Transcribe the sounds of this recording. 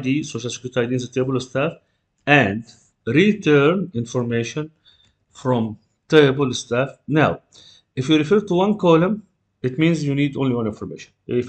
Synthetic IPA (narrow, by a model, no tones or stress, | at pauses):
d̪isoːʃalsɪkɾutaɪd̪inzt̪eblst̪æːf | ʔæ̃nd | ɾit̪ɜɾnɪ̃nfɔɾmeːʃɔ̃n | fɾɔ̃m | t̪eɪbəlst̪æfnaw | ʔɪfjuːɾɪfɜːɾt̪uwʌ̃nkɔːlə̃m | ɪt̪mĩːnzjuniːd̪õ̰nliwãnɪ̃nfɔɾmḛːʃɔ̥̃nɪ